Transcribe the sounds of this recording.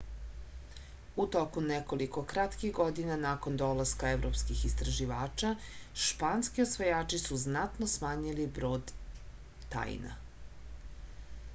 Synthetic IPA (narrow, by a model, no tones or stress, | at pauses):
ut̪o̞kunekoliko̞kɾat̪kiɣɡod̪inanako̞nd̪olˠaskaeʋɾopskixist̪ɾaʒiʋaːt͡ʃaʃpanskiosʋojaːt͡ʃisuznat̪nosmaːɲilibɾoːd̪ː | a̰j̰na̰